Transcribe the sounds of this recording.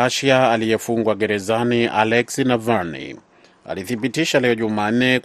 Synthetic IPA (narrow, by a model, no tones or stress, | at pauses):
aʃiaalijɛfuŋɡwaɡɛɾɛzaniʔa̰lɛksinavaɾnḭ | a̰liθiɓitiʃalɛɔʄumaːn̩nːɛ